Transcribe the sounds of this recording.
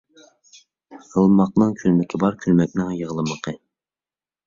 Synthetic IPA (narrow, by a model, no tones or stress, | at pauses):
ʁəlˠmɑq̚nɨŋkʲʰylmɪkʲʰɪbɑɾkʲʰylmɛk̚ʲnɪŋjəʁlˠəməqʰə